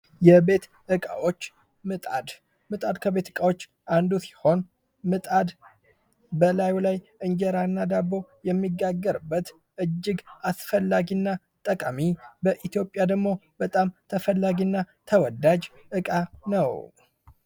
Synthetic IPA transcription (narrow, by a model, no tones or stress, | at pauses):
jɛbe̞t̪ | ʔɨkʼa̰wot͡ʃː | mɨt̪ʼa̰d̪ | mɨt̪ʼad̪kʰəβe̞t̪ɨkʼawot͡ʃː | ʔand̪usi̥ho̞n | mɨt̪ʼad̪ | bəlajulajʔɨɲd͡ʒəɾaɨnːad̪abo̞jɛmːiɡaɡːəɾɨbːət̪ | ʔɨd͡ʒːɪɡʔasfəlːaɡinːa | t̪ʼəkʼamibəʔit̪jo̞pʼːjad̪əɡmo̞bət̪ʼamt̪ʰəfəlːaɡinːa | t̪ʰəwɔd̪ad͡ʒʔɨkʼanəw